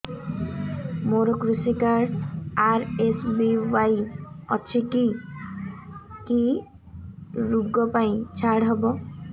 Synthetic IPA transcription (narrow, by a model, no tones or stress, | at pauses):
moɾokɾusikaɾɽaɾesbiwajɔt͡ʃʰiki | ki | ɾuɡɔpaĩt͡ʃʰaɽɦɔbɔ